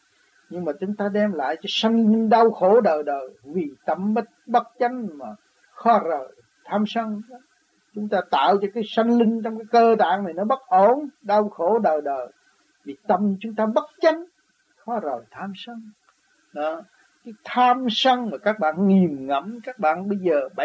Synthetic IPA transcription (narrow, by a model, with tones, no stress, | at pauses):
ɲɨ˧ŋmaː˨˩t͡ɕʊ˨˦ŋ͡mt̪aː˧ɗɛ˧mla̰ː˧˨jt͡ɕɔ˧sa˧jŋ̟li˧ŋ̟ɗa˧wxo˧˩˦ɗəː˨˩jɗəː˨˩jvi˨˩t̪ə˧˩mɓə˦˥t̚ɓə˦˥t̚t͡ɕa˨˦jŋ̟maː˨˩ | xɔ˨˦zəː˨˩j | t̪ʰaː˧msə˧ŋɗ | t͡ɕʊ˨˦ŋ͡mt̪aː˧t̪a̰ː˧˨wt͡ɕɔ˧kaː˨˦jsa˧jŋ̟lï˧ŋ̟t͡ɕɔ˧wŋ͡mkaː˨˦jkəː˧t̪a̰ː˧˨ŋn˨˩jnɔ˨˦ɓə˦˥t̚ʔo˧˩nɗa˧wxo˧˩˦ɗəː˨˩jɗəː˨˩j | vi˨˩t̪ə˨˩mt͡ɕʊ˨˦ŋ͡mt̪aː˧ɓə˦˥t̚t͡ɕa˨˦jŋ̟ | xɔ˨˦zəː˨˩jt̪ʰaː˧msə˧ŋ | ɗɔ˨˦ | kaː˨˦jt̪ʰaː˧msə˧ŋmaː˨˩kaː˦˥k̚ɓa̰ː˧˨nŋi˨˩əmŋə̰˧˩mkaː˦˥k̚ɓa̰ː˧˨nɓə˧jzəː˨˩ɓ